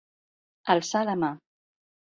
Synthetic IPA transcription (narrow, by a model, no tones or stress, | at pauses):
əlˠsaləma